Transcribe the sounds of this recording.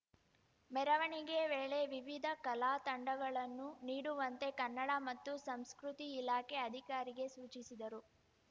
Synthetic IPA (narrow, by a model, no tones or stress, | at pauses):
mɛɾɐʋɐɳiɡe̞ʋeːɭe̞ʋiʋid̪ʱɐkɐlaːt̪ɐɳɖɐɡɐɭɐnːuniːɽuʋɐnt̪e̞kɐnːɐɽamɐt̪ːusɐmskɾut̪iːlaːkeɐd̪ʱikaːɾiɡe̞suːt͡ʃisid̪ɐɾu